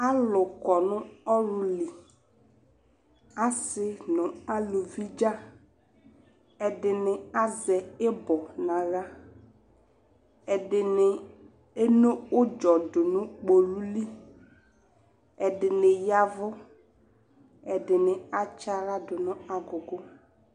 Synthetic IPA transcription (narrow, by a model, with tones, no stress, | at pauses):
a˦lʊ˨kɔ˨nʊ˦ɔ˦ɾʊ˨li˨ | a˦sɪ˦nʊ̃˨a˦lo˨vi˦d͡ʒa˦ | ɛ˨dɪ˨nɪ˨a˦zɛ˨ɪ˦bɔ˨nã˨ɣa˦ | ɛ˨dɪ˨nɪ˨ | e˦no˦ʊ˦d͡ʒɔ˨dʊ˨nʊ̃˦k͡po˨lu˦li˦ | ɛ˨dɪ˨nɪ˨ja˨vʊ˦ | ɛ˨dɪ˨nɪ˨a˦t͡ʃa˦ɾa˦dʊ˨nʊ˦a˨ɡʊ˨ɡʊ˦